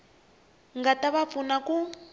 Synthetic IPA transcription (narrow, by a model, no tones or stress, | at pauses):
ŋɡataβap̪funaku